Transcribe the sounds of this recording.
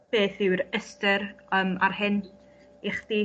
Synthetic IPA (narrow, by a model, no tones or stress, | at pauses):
beːθɪwɾəstəɾəmarɦɪn | iχd̥iː